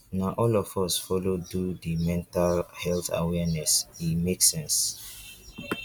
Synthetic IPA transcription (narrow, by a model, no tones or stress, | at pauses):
naʔɔlɔfɔsfɔlodudimɛ̃ntalhɛlθa̰wɛnɛsimeksɛ̃ns